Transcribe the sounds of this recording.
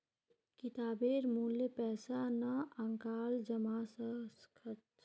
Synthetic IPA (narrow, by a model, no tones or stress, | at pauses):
kɪt̪aːbeːɾmuːljepɛːsanɐɐ̃ŋkaːld͡ʒɐmaːsəskʰət̪